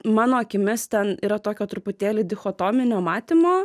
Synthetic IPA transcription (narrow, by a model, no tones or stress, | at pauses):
mɑːnoːɐkʲɪmʲɪst̪ʲɛniːɾɐt̪oːkʲoːt̪ɾʊpʊt̪ʲeːlʲɪd̪ʲɪxoːt̪oːmʲɪnʲoːmɑːt̪ʲɪmoː